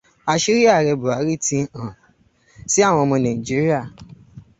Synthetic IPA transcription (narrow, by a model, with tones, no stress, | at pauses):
a˧ʃi˦ɾi˦a˦˨ɾɛ˧bu˨a˨˦ɾi˦tĩ˧ã˨ | si˦a˦˨w̃ɔ̃˧mɔ̃˧nã˨ĩ˨d͡ʒi˨˦ɾi˦a˦˨